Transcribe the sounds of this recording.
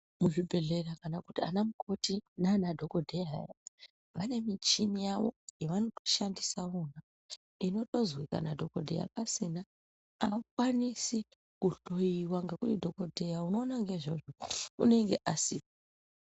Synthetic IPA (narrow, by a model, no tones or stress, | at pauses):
muʐibʱe̞ɮe̞rakanakutia̰namukʰo̞tinanadʱo̞ko̞dʱeja̰ja | ʋane̞mit͡ʃinijaʋo̞̰jeʋano̞to̞̥ʃandisaona | ino̞to̞zwika̰nadʱo̞ko̞dʱḛja̰pasina | akwanisi | kuɬo̞jiwaŋɡe̞kutidʱo̞ko̞dʱe̞jauno̞ːnaŋɡe̞ʐoʐoṵne̞ŋɡe̞ʔasipa